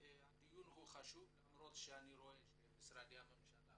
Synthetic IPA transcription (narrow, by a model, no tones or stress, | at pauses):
ead̪ijunhuχaʃub | mɾot̪ʃeaniɾoe | bisɾad̪iamemʃana